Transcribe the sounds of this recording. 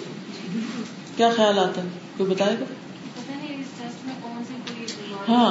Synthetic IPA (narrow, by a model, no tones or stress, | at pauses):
kʊ | kjaːxəjaːlaːt̪a | koːibɐt̪aːeːɡa | pɐt̪aniɪsd͡ʒɐsʈmẽkɔːnsẽkoiaːɦãː